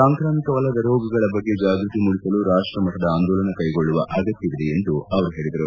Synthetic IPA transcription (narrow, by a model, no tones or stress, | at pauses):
saːŋkɾaːmikɐʋɐlːɐd̪ɐɾoːɡɐɡɐɭɐbɐɡːe̞d͡ʒaːɡɾut̪imuɭisɐluɾaːʂʈɾɐmɐt̪ʰːɐd̪ɐaːnd̪oːlɐnɐkɐjɡo̞ɭːuʋɐʔaɡɐt̪ːiʋid̪eend̪uɐʋɐɾuɦe̞ːɭid̪ɐɾu